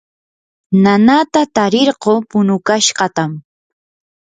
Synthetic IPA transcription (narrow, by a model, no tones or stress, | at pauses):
nanat̪at̪aɾɪɾɢoːpʊnʊkaʃɢɑt̪am